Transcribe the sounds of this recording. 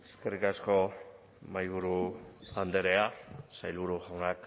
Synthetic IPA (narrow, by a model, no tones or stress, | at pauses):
eskerikasko | majɣuɾuand̪eɾeasajlβuɾuxaŋak